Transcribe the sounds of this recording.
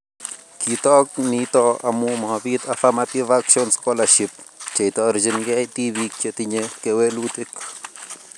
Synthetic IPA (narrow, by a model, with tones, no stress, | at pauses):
ki˨t̪ɔ˦k̚ni˧t̪ɔ˧a̰˨mu˧mo˨ha˨bi˦t̪a˨fa˦mat̪i˦vakʃjo˦nsko˦laʃi˧p̚t͡ʃa˨jt̪ɔ˧ɾd͡ʒi˧nɡa˦jt̪i˦βi˧k̚t͡ʃe˧t̪i˧ɲeke˧we˦lu˦t̪i˦k